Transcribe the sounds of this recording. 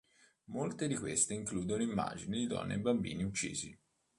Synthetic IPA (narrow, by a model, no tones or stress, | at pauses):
molt̪ed̪ikwest̪eiŋkluːd̪onoimːa̰ːd͡ʒinid̪id̪ɔ̰nːʔḛbambḭːniut͡ʃːḭːzi